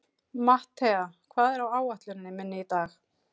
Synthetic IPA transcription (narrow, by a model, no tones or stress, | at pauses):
maht̪ʰɛakʰvaːðɛɾawaːwaht̪lʏnɪnːɪmɪnːɪit̪aːx